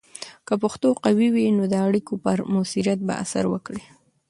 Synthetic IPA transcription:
kəpoxt̪oqawiwinod̪əaɽikopəɾmosiɾjat̪̚ba̰ʔa̰sa̰ɾwəkɽi

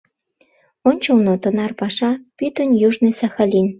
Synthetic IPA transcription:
onʲt͡ɕolnot̪ə̆nɑrpɑʃɑpyt̪ənjuʒnesɑxɑlʲin

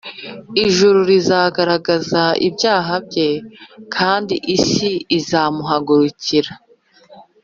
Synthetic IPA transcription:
iʒuɾuɾizaːɡaɾaɡazaḭbjaːɦab̚ɟe̞kʰaːndiʔisiːzaːmuɦaɡuɾuciɾa

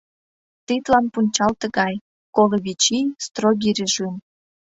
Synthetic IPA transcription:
t̪it̪lɑnpunʲt͡ɕɑlt̪əɣɑj | koloβʲit͡ɕist̪roɡʲiɾʲeʒyn

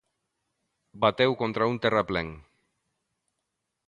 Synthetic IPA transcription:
bat̪ewkont̪ɾaunt̪erapleŋ

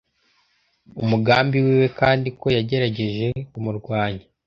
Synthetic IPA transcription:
umuɡaːmbiwiːwe̞kaːndiko̞jaɟe̞ɾaɟe̞ʒe̞kumuɾɡwaːɲe

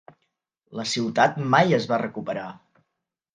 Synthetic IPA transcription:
ləsiwt̪at̪majəzβarəkupəɾa

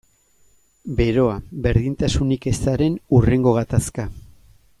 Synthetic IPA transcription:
be̞ɾo̞abe̞ɾðint̪asunike̞saɾe̞nure̞ŋɡo̞ɣ̞at̪aska

